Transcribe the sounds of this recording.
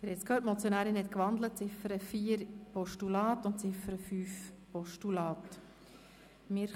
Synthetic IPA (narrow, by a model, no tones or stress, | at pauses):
əɾɛt͡skʰøːtmɔt͡sjɔnæːɾɪnhɛt̪kʋɑnd̪lət̚t͡sɪfəɾəfiːəɾpɔʃtulɑːtʊntt͡sɪfəɾəfyːfpɔʃtulɑːt | mɪɾ